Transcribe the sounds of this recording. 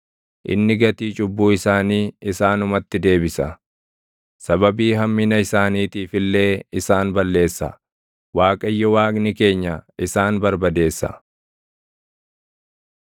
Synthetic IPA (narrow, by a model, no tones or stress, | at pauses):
ʔɪ̰nːɪɡɐt̪iːt͡ʃʼʊbːuːɪsaːniːɪsaːnʊmɐt̪ːɪd̪e̞ːbɪsɐ̰ | sɐbɐbiːɦɐmːɪnɐɪsaːniːt̪iːfɪlːe̞ːɪsaːnbɐlːe̞ːsːɐ̰ | waːkʼɐjːɔwaːkʼnɪke̞ːɲːɐɪsaːnbɐɾbɐd̪e̞ːsːɐ̰